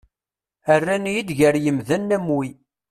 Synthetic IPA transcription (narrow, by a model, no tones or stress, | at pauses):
ərːænjid̪ʝəɾjəmðænːæmwi